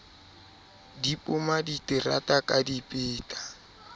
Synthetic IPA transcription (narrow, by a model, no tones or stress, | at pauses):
dipʼʊmaditʼɪra̰tʼakʼadipʼɪːtʼḁ